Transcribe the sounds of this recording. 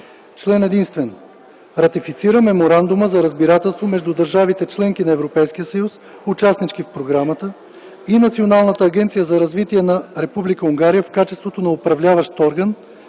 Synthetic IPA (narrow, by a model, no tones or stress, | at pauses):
t͡ʃlɛnɛd̪inst̪vɛn | ɾɐt̪ifit̪siɾəmɛmoɾand̪ʊməzɐɾəzbiɾat̪ɛlˠst̪vomɛʒd̪ud̪əɾʒavit̪ɛt͡ʃlɛŋkinɐɛvɾopɛjskijəsəjus | ʊt͡ʃasnit͡ʃkifpɾoɡɾamət̪ə | inɐt̪sionalˠnət̪əːɡʲɛnt̪sijəzɐɾɐzvit̪iɛnɐɾɛpublikəuŋɡaɾijəfkat͡ʃɛ̥st̪vot̪onɐopɾɐvlʲavəʃt̪ɔɾɡən